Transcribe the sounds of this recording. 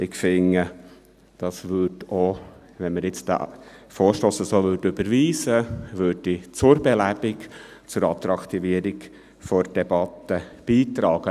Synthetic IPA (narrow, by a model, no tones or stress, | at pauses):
ɪkfɪŋə | d̥ɑsʋʏdo | ʋɛnməɾjɪt͡st̪a̰foːɾʃtoːsəsoːʋøːdʏb̥əɾʋiːsəʋøːd̚it͡sʊɾbɛlæb̥ɪkt͡sʊɾɑt̪ɾɑkt̪iviəɾɪk | fɔɾd̥ɛb̥ɑt̪əb̥iːt̪ɾɑːɡ̥ə